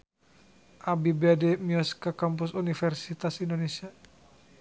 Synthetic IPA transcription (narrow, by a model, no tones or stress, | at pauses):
ʔabibɛdɛmiɔskakamp̬usunifɛrsit̪asindonesia